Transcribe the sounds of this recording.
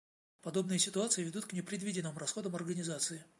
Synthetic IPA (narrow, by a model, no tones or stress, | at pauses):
pɐd̪o̞bnɨjəsʲɪt̪ʊat̪sɨjɪvʲɪd̪ut̪knʲɪpɾʲɪd̪vʲidʲɪnːɨmrɐsxo̞d̪əmɐrɡənʲɪzat̪sɨɪ